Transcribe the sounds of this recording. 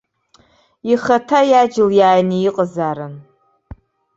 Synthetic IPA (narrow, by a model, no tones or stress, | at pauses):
jɪxɐtʰajaːd͡ʒɪljaːjnijɪqʼəzaːɾɨn